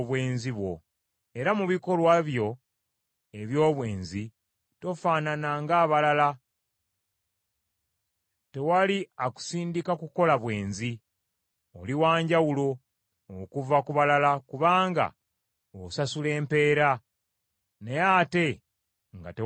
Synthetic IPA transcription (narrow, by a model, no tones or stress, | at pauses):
βwe̞ːnziβwo̞̰ | e̞ɾamuβiko̞lwaβjo̞ | eβjo̞ːβwe̞ːnzi | to̞faːnanaŋɡaːβalala | te̞waliaku̥siːndikakuko̞laβwe̞ːnzi | oliwaːɲɟawulo̞ː | kuvakuβalalakuβaːŋɡa̰ | osasule̞ːmpe̞ːɾa | nejate̞ | ŋɡa̰te